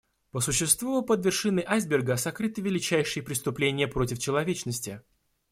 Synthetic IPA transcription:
pəsʊɕːɪst̪vupəd̪vʲɪrʂɨnːəjʔajzbʲɪrɡəsɐkɾɨt̪ɨvʲɪlʲɪt͡ɕæjʂɨjəpɾʲɪst̪ʊplʲenʲɪjəpɾo̞tʲɪft͡ɕɪlˠɐvʲet͡ɕnəsʲtʲɪ

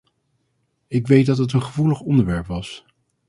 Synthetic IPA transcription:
ɪkʋejt̚dɑtɦət̬ənχəvuləχɔndəɹʋɛɹpʋɑs

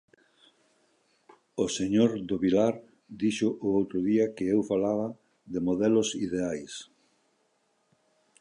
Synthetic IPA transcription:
oseɲoɾd̪oβilaɾ | d̪iʃʊʔʊowt̪ɾʊðiɐkɪewfalaβɐ | ðemoðɛlʊsiðeajs

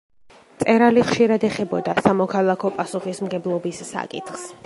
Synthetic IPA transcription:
t̪sʼɛɾaliχʃiɾad̪ɛχɛbɔd̪asamɔkʰalˠakʰɔpʼasuχismɡɛblˠɔbisːa̰kʼḭt̪χs

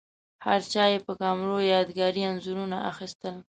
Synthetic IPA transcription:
haɾt͡ʃɑjepəkɑmɾojɑd̪ɡɑɾianzuɾunaʔa̰xist̪əl

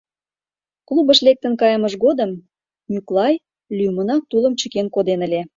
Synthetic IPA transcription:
klubə̆ʃlek̚t̪ə̆nkɑjəməʃɣod̪əm | mʲyklɑj | lʲymə̆nɑk̚t̪ulə̆mt͡ɕə̆kenkod̪enə̆lʲe

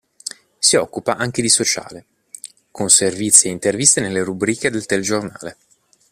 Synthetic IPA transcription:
siɔkːupaʔaŋk̟ed̪isot͡ʃa̰ːle | kʰonservit̪sːieint̪ervist̪enelːeɾubɾiːked̪elt̪eled͡ʒorna̰ːle

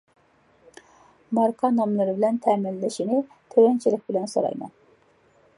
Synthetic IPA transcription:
mɑɾqʰɑnɑmlˠɨɾɪbɪlɛnt̪ʰɛmɪlːɪʃinɪ | t̪ʰøwɛnt͡ʃʰilɪk̚ʲbɪlɛnsoɾɑ̰jmɑ̰n

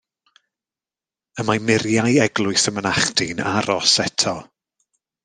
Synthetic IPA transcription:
əmamɪrjajɛɡlˠʊɨsəmənaχdɪna̰ɾɔsɛtʰɔ

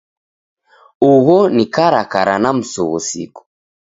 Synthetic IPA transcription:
uɣɔnikaɾakaɾanam̩suɣṵsḭku̥

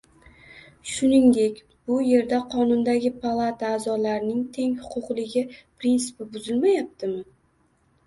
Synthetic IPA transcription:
ʃʊnɪŋd̪e̞kʲ | b̥ʊje̞ɾd̪aqʰɒnʊnd̪aɡʲɪpʰalˠat̪ʰaːzɒlaɾɪnɪŋt̪ʰe̞ŋhʊ̥qʰʊqlɪɡʲɪpɾinsɪ̥pɪbʊzɪlmajap̚t̪ʰɪmɪ

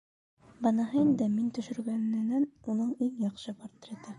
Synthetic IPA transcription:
bɑnɑɦɤind̪ɘmint̪ɵ̆ʃɵ̆ɾɡænɘ̆nænunɤɴiŋjɑqʃɤpoɾt̪ɾʲet̪ɑ

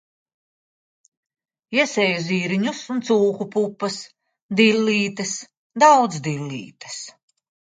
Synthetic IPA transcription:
iɛsɛːjuziːɾiɲusunt̪suːkupupːɐs | d̪ilʲːiːt̪ɐs | d̪awd̪zd̪ilʲːḭːt̪ɐ̥s

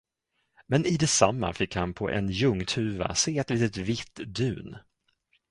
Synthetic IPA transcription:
mɛnɪd̪ɛsamːa̰fɪkhanpʰɔ̰ʔɛ̰njɵŋːt̪ʰʉ̟ːva̰seːɛt̪liːt̪ət̪vɪt̪ːd̪ʉ̟ːn

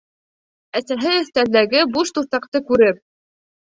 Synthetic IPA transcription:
æsæɦɘɵ̆θt̪æld̪æɡɘbuʃt̪uθɑqt̪ɤkʉɾɘp̚

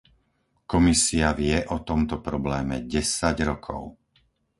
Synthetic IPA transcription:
kɔmisiaʋɪɛʔɔt̪ɔmt̪ɔpɾɔblɛːmɛɟɛsaɟɾɔkʰɔ̰ʊ

